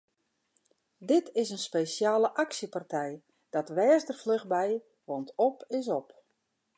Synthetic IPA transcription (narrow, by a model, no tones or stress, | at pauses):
dɪtɪsənspejsjaːləʔaksəpartʰɛj | d̥ɔtʋɛːzdərfløxbɛj | ʋɔntɔpɪs̬ɔp